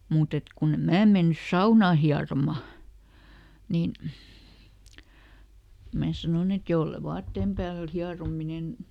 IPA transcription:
muːt et kunːe mæː menːys sɑunɑˑ hiɑromɑ niːn mæː sɑnon et jolːe ʋɑːtːeːm pæːlt̆ hiɑrominen

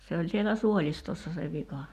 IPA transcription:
se olʲ sielæ suolʲistosːɑ se ʋikɑ

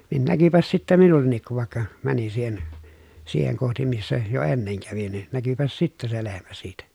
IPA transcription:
nin nækypæs sitːæ minulːenˑik kuʋ ʋɑˑekːɑ mænin siːhen siːheŋ kohti misːæ jo enːeŋ kæʋin nin nækypæs sitːæ se lehmæ siːtæ

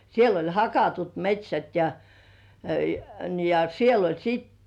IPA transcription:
siel olʲ hɑkɑtut metʲsʲæt jɑ jɑ jɑ ni siel olʲ sit

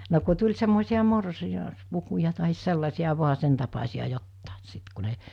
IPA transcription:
no ku tulʲ semːoˑisiɑ morsi ɑspukujɑ tɑɦis selːɑsiɑ ʋo̝ɑ sen tɑpɑsiɑ jotːɑˑes sit ku ne

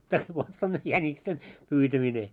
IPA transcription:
tæs ʋot s on jænʲiksen pyːtæmine

